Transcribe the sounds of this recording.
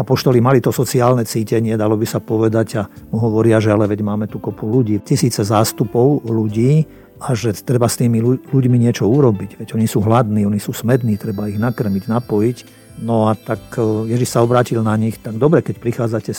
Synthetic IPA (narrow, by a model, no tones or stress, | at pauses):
apɔʃt̪ɔlimalit̪ɔsɔt͡siaːlnɛt͡siːcɛɲɪɛd̪alɔbisapɔʋɛd̪aɟamuɦɔʋɔɾɪaʒɛalɛʋɛɟmaːmɛt̪ukɔpuluɟiːcisiːt͡sɛzaːst̪upɔʊluɟiː | aʒɛt̪ɾɛbast̪iːmiuluɟmiɲɪɛt͡ʃɔuɾɔbiɟʋɛɟɔɲisuːɦlad̪niːɔɲisuːsmɛd̪niːt̪ɾɛbaiɣnakr̩miɟnapɔjic | nɔat̪akjɛʒiʃsaɔbɾaːcilnaɲixt̪aɡ̚d̪ɔbɾɛkɛc̚pɾixaːd͡zacɛ